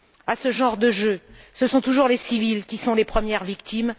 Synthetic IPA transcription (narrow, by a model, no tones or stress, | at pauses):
asəʒɑ̃ʁd̪əʒøsəsɔ̃t̪uʒuʁlesivilkʲisɔ̃lepχəmjɛʁvik̚t̪im